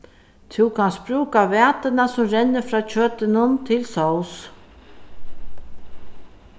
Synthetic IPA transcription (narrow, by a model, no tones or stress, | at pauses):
t̪ʰuwkʰanspɾuːkavæːt̪ɪnasʊmɾɛnːɪfɾɑːt͡ʃʰøːt̪ɪnʊnt̪ʰɪlsɔws